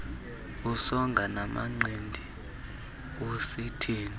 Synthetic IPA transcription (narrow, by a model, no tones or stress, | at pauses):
usɔŋɡʱanama̰ŋ͡ǀʱendʱi | usitʰiːni